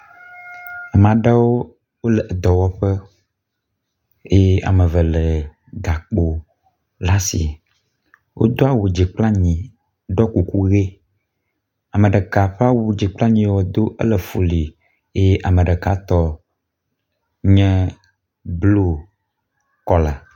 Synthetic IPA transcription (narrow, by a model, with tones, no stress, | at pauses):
a˨m̃˨ã˨ɖa˦wo˦ | wo˦lɛ˨ʔd̪ɔ˨wɔ˦ɸə˦ | e˦a̰˨mə˨və˨lə˨ | ɡa˨k͡po˨ | la˦si˨ | wʔo̰˦d̪o˦a˦wu˨d͡ʒi˨k͡pla˦ɲĩ˨ | ɖɔ˦ku˨ku˦ɣe˦ | a˨mẽ˨ɖə˨ka˨ɸɛ˦a˦wo˨d͡ʒi˨k͡pla˦ɲĩ˦˨wɔ˨d̪o˦ʔə̰˦lə˨fo˨li˨ | e˦jʔa˨mə̃˨ɖə˨ka˦t̪ɔ˦ | ɲɛ̃˦ | blo˦ | kɔ˦la˨